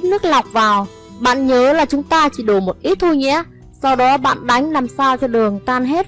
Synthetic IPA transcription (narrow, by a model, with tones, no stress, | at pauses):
nɨ˦˥ək̚la˨˩wk͡p̚vaː˨˩w | ɓa̰ː˧˨nɲəː˨˦laː˨˩t͡ɕʊ˨˦ŋ͡mt̪aː˧t͡ɕi˧˩ɗo˧˩mo˨˩t̚ʔi˨˦˥t̚t̪ʰu˧ɲɛ̰˧˥ | sa˧wɗɔ˨˦ɓa̰ː˧˨nɗa˨˦jŋ̟laː˨˩msaː˧wt͡ɕɔ˧ɗɨ˨˩əŋt̪aː˧nɦe˦˥t̚